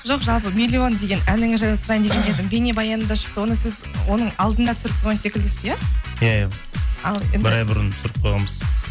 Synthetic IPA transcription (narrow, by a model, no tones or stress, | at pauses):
ʒo̞qʒɑlˠpəmʲilʲːio̞nd̪e̞ɡʲe̞nænɪŋɪʒɑjsʊɾɑjnd̪eened̪ɪmbʲe̞nebɑjɑnənd̪ɑʃə̥q̚t̪əwo̞nəsɪzwo̞nəɴɑlˠd̪ənd̪ɑt̪ʰʏsɾɪp̚qʰojʁɑnse̞kʲɪld̪ɪsɪzjæjaja | ɑlˠenbɪɾɑjbʊɾənsʏɾɪp̚qʰojʁɑməz̥